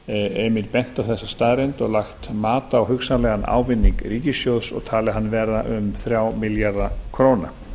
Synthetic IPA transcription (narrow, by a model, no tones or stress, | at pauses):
ɛːmɪɾpɛn̥t̪awθɛsːast̪aðɾɛnt̪ɔɣlaxt̪maːt̪aːwɦʏxsanlɛɣana̰ːwvɪnːiŋkɾiːcɪsjowðsɔ̰ɣt̪ʰaːlɪɦanːvɛɾðaʔʏmθɾjaːwmɪljaɾðakʰɾoːwna